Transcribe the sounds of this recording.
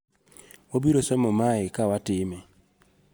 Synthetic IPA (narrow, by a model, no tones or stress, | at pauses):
wobiɾosɛmɔmaɪkawatɪme